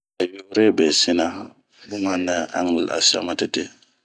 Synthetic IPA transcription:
a˨jo˨˦ɾɛ˦bɛ˨si˦na˦ | bu˦ma˦nːa˦a̰˦ŋlɛ˨la̰˨sa̰˦ma˨tɛ˨tɛ˦

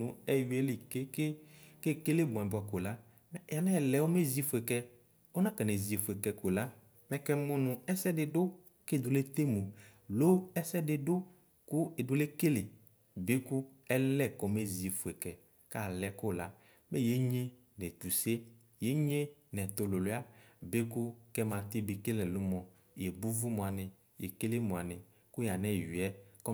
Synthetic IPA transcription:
nũ˨ɛ˦wi˨e˦le˨ke˦ke˦ke˦ke˦le˦bɔ̃˨ɛ̃˨ba˨ko˨la˦˨ | a˨nɛ̃˦ɛ˨lɛ˨wo˦me˦zi˨˦fo˨ɛ˨kɛ˦ | o˦nã˦kɛ˨nɛ˨zi˨fo˨ɛ˨kɛ˨ko˨la˦ | mɛ̃˨kɛ˦˨mũ˦nʊ̃˨ɛ˦sɛ˦dɪ˨dʊ˦ | ke˦˨d̪o˨le˦t̪e˦mũ˨lo˦ɛ˦sɛ˦dɪ˨dʊ˦ | ku˦e˨do˨le˦ke˦le˨ | be˦kʊ˦ɛ˦lɛ˦kɔ˨me˦zi˨fu˨ɛ˨kɛ˨ | ka˦˨lɛ˦ko˦˨la˦ | be˦je˨˦ɲe˦ | nɛ̃˨tu˨se˦ | je˦ɲẽ˦nɛ˨t̪o˨lo˨lo˦a˦be˦kʊ˦kɛ˦mã˨t̪ɪ˦bɪ˨ke˦lɛ˨lʊ˦mɔ̃˨ | je˨bu˦vu˦mo˨a˨nɪ̃˨ | je˨ke˦le˦mũ˨a˨nɪ̃˨ | ku˦ja˨nɛ̃˦˨ji˨ɛ˦kɔ˦

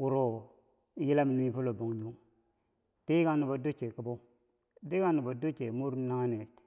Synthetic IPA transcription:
wu˨ɾo˦ | ji˦la˦mi˨n˦mi˦pu˦lo˨bo˨ŋ˨ɲu˦ŋ | ti˦ɡa˦nu˨bo˨do˦t͡ʃe˨ka˨bo˦ | di˦ɡa˦nu˨bo˨do˦t͡ʃe˨mu˦ɾna˦ŋa˦ne˨t͡ʃ

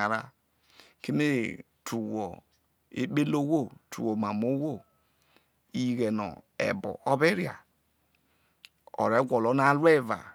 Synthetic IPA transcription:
a˨ɾa˦ | ke˦me˦˨ | tʰu˨wo˨ | ḛ˦ɓe˦lo˦wo˦˨tʰṵ˨wo˨ma˨mo˦wo˦˨ | i˨ɣɛ˨nɔ̰˨ɛ̰˨bɔ̰˨ʔo˦be˦ɾi˨a̰˨ | ɔ̰˨ɾe˨˦ɡʷɔ˨lo˨˦na˦lwe˦˨va̰˨

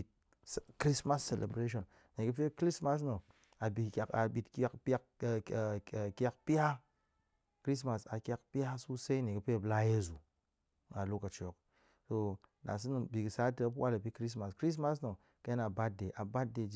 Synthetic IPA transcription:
t̚ | kɾi˦sma˦sːe˨lʔḛ˨bɾe˦ʃo˨n | ne˨ɡu˦pe˦kɾi˦sma˦s̬no˨ | a˨bi˨ka˨ɓi˨tka˦kpa˦kka˦kpi˦ja˦ | kɾi˦s̬ma˨sa˨kʲa˦kpi˦ja˦su˦sa˦i˦ne˨ɡə˦pe˦˨bla˦je˦zu˨ | na˨lo˦ka˨t͡ʃo˨k̚ | so˨na̰˨s̬ɨ˦nu˨bi˨ɡi˨sa˦tə˦p̬wa˦la˨pi˦kɾi˦s̬ma˨skɾi˦s̬ma˦s̬no˨ | ka˦n˨a˨ba˦t̚de˨ʔa˨ba˦t̚de˨d͡ʒ

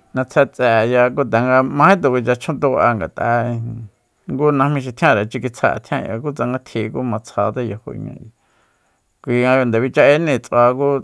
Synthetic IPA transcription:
nã˧t͡sʰa˧t͡sɛ˨ja˧ku˦t̪̬a˨ŋɡa˧mã˧˦ĩ˦t̪ũ˨kʷi˧t͡ʃa˧t͡ʃʰõ˦t̪o˧a˧ŋɡa̰˨t̪ʼa̰˧ | ŋɡu˦nã˧hmĩ˧ʃ̬i˧t̪ʰj̃ã˦˧ɾa˨t͡ʃi˧ki˧t͡sʰa̰˧˨˧t̪ʰj̃ã˦˧˨ja̰˧k̬u˦t͡sa˧ŋɡa˧t̪ʰi˧ku˦mã˧t͡sʰa˧t̪a˦jo˧ho̰˧ḭ˧ɲã̰˧i˧ | kʷi˧ŋã˧i˧nd̪e˨βi˧t͡ʃa˧ʔe˦nẽ˧˨t͡sa˧ku˦

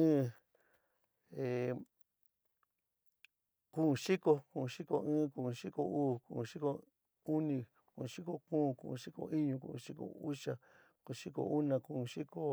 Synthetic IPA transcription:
ɨ̃˦ | e˨ | ku˦˧ʃi˦ko˧kũ˧ʂi˦ko˧ɨ̃ː˦ku˧˨˧ʂi˦ko˧uː˦˨kṵ̃˧˨˧ʂi˦ko˧ | u˦nĩ˧ | kũ˧ʂi˦ko˦kũː˦˨kṵ̃˧˨˧ʂi˦ko̰˧ʔi˦ɲũ˧kṵ˧˨ṵ̃˧ʂi˦ko̰˨u˦ʂa˨ | ku˧˨˧ʂi˦ko̰˧u˦nã˧kũ˧ʂi˦ko˧

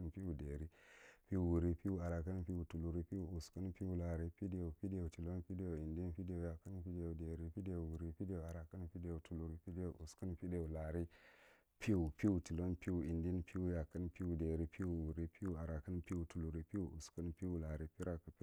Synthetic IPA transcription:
npi˦wu˨de˨ɾi˦pi˦u˨wu˨ɾi˦pi˦u˦a˨ɾa˨kə˦npi˦u˨tu˨lu˨ɾi˦pi˦u˨u˨skə˦npi˦u˦la˨ɾi˦pi˦de˦˨u˨pi˦de˨u˨ti˨lo˦npi˦de˦o˨i˨ndi˦npi˦de˦u˨ja˨kə˦npi˦de˨u˨de˨ɾi˦pi˦de˨u˨wu˨ɾi˦pi˦de˦˨u˨a˨ɾa˨kə˦npi˦de˨u˨tu˨lu˨ɾi˦pi˦de˦˨ṵ˨ʔu˨skə˦npi˦de˨u˨la˨ɾi˦ | pi˦u˨pi˦u˨ti˨lo˦npi˦u˨i˨ndi˦npi˦wu˦ja˨kːə˦npi˦u˨de˨ɾi˦pi˦wu˨wu˨ɾi˦pi˦u˦˨a˨ɾa˨kə˦npi˦u˨tu˨lu˨ɾi˦pi˦u˦˨ʔṵ˨skə˦npi˦u˨la˨ɾi˦pi˦ɾa˨kə˨˦

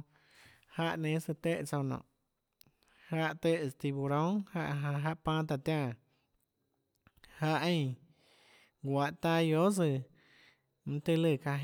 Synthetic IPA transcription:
ha˧ʔnẽ˧˦sɨ˧t̪e˦˧ʔt͡sa˧wnɔ̰̃˨ʔ | ha˦ʔt̪e˧st̪i˧bu˧ɾõ˦ŋha˧ʔɦa˧ɦa˧ʔpã˦t̪a˧t̪jã˧ | ha˧ʔẽ˧ | ɡʷa˧ʔt̪a˧jo˦sɨ˧ | m̩˧t̪e˧lɨ˧˨ka˧ɦ

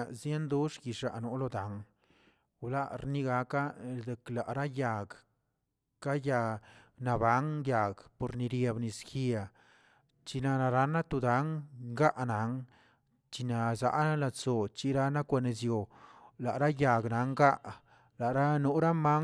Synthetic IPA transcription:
a˨zje˦nd̪u˦ʂɡi˨ʂa̰˨ʔno˦lo˧d̪a˨˦ŋ | wla̰˦ʔɾni˦˧ɡa˧ka˦d̪e˨kla˨ʔɾa˦ja˨ɡ | ka˦ja˧na˨ba˨˦ŋja˨ɡpo˨ɾni˧ɾje˧bni˧ski˧a˨ | t͡ʃi˧na˧na˧ɾa˦na˦t̪u˧d̪a˨˦ŋɡa˦ʔna˨˦ŋ | t͡ʃi˧na˧za̰˧ʔa˦la˧t͡so˨t͡ʃi˧ɾa˦na˦kʷa˧ne˨zjo˨la˨ʔɾa˦ja˨ɡna˨˦ŋɡa˦ʔ | la˨ɾa˦nu˧˦ɾa˦ma˦

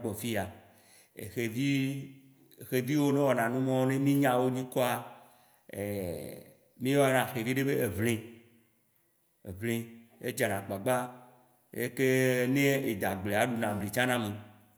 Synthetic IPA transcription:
k͡pɔ˨fi˦a˨ | ḛ˨xe˨vi˦˨ | xe˨vi˦wo˦nẽ˦wɔ˨nã˨nũ˦mɔ̃˦wnẽ˦mĩ˦ɲã˦wo˦ɲĩ˦kɔ˦a˨ | ḛ˨ | mĩ˦e˦wa˦nã˨xe˨vi˦ɖe˦be˦e˨vlẽ˦ | ḛ˨vlẽ˦e˦d͡ʒa˨nã˨ɡ͡ba˨ɡ͡ba˦ | ḛ˦ke˦nẽ˦e˨d̪a˨ɡ͡ble˨a˨ɖu˨nã˨bli˨t͡ʃã˦nã˦me˨

